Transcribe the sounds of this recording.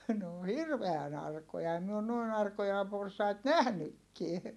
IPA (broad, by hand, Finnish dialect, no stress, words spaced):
n oː hirʋeæn ɑrkojɑ em mi on noˑin ɑrkojɑ porsɑit næhnykːie